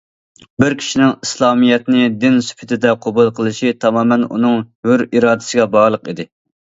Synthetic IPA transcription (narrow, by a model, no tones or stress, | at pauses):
bɪɾkʲʰi̥ʃinɪŋislˠɑːmijɛt̪nɪd̪ɪnsy̥pʰɪt̪ʰɪd̪ɛqʰobulˠqʰəlˠɨʃit̪ʰɑmɑːmɛnṵnɨŋhøɾiɾɑːd̪ɪ̥sɨɡʲɛbɑʁlˠəqid̪ɪ